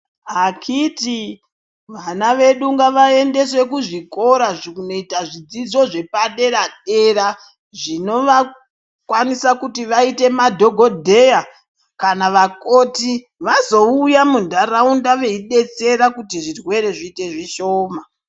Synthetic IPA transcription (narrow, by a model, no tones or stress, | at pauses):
ɦakʰiti | ʋanaʋe̞ɗuŋɡaʋae̞nde̞swe̞kuʐiko̞ɾaʐunoitaʐid͡zid͡zo̞ʐe̞paɗe̞ɾaɗe̞ɾa | ʐino̞ʋa | kwanisakutiʋaite̞madʱo̞ɡʱo̞dʱe̞ja | kanaʋako̞ːti | ʋazo̞ujamundaraundaʋe̞iɗe̞t͡se̞ɾakutiʐirwe̞ɾe̞ʐiːte̞ʐiʃoːma